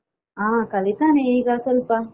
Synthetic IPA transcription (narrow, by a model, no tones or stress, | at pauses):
ãːkɐlit̪aːneiɡaːsɐlpa